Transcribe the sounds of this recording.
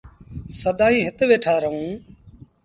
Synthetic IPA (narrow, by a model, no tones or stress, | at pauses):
səd̪aːĩːɦɪt̪ʋeːʈʰaːɾəɦũː